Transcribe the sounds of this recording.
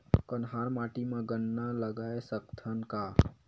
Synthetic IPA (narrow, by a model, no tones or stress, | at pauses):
kənɦaɾmaʈimẽɡənːaləɡaesəkt̪ʰənka